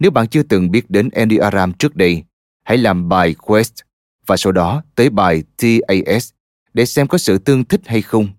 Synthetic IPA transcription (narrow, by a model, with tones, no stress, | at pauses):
ne˨˦wɓa̰ː˧˨nt͡ɕɨ˧ət̪ɨ˨˩ŋɓi˦˥ət̚ɗe˨˦nʔɛ˧nɗi˧ʔaː˧zaː˧mt͡ɕɨ˦˥k̚ɗə˧j | ha̰˧˥˨jlaː˨˩mɓaː˨˩jkwɛ˦˥st̚ | vaː˨˩so˨˦wɗɔ˨˦t̪əː˨˦jɓaː˨˩jt̪ʰi˧ʔə˧jʔɛ˦˥s | ɗḛ˧˩sɛ˧mkɔ˨˦sɨ̰˧˨t̪ɨ˧əŋt̪ʰï˦˥k̟̚ha˧jxə˧wŋ͡m